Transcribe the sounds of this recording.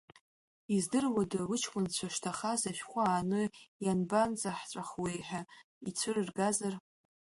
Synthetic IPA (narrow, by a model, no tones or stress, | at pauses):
izdɨrwadawɨt͡ʃʰkʷʼʊnt͡ɕʷʰaʂtʰaχazaʃᶣχʷaaːnɨjanbant͡sʼaħʈ͡ʂʷʼaχwejħᶣa | it͡sʷʰɨrɨrɡazar